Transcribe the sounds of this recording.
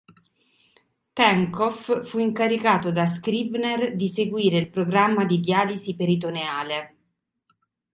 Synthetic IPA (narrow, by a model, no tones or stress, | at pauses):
t̪ɛŋkɔfːuiŋkaɾikaːt̪od̪as̬kɾibnerd̪iseɡwiːɾeilpɾoɡɾamːad̪id̪iaːlisipeɾit̪̬oneaːle